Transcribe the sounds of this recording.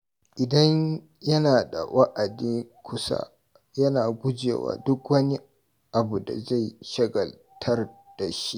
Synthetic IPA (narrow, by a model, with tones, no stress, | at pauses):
ʔɪ˨dɐ˦ɲ | jɐ˦naː˨da̰˨wʔɐ˦ʔa˨di˦ŋkʷʰʊ˦sa̰˦ | jɐ˦naː˨ɡʷʊ˦d͡ʒḛː˨wa̰ː˨dʊ˦kwɐ˦ni˦ | ʔa˨bu˨da̰˨za˦˨jʃɐ˦ɡɐ˨l | tʰɐ˦rd̥a˨ʃi˦ʔ